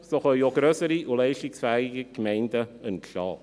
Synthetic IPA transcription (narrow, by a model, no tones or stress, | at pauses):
soːχœjoɡɾøsəɾiʔʊlɛɪʃtɪksfɛːɪɡikmɛɪndəənʃɑ̰ː